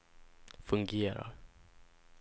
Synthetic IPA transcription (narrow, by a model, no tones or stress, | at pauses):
fɵŋɡeːɾa̰ɾ